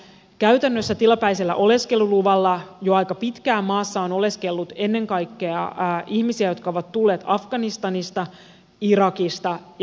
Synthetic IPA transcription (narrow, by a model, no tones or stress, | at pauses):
kæɥt̪ænːøsːæt̪ilɑpæjselːæ̰ʔo̞le̞ske̞luluʋɑlːɑjo̞ɑjkɑpit̪kæːmɑːsːɑono̞le̞ske̞lːut̪e̞nːe̞ŋkɑjkːe̞ɑʔihmisiæjo̞t̪kɑo̞ʋɑt̪t̪ːulːe̞ːt̪ɑfɡ̥ɑnist̪ɑnist̪ɑ | iɾɑkist̪ɑ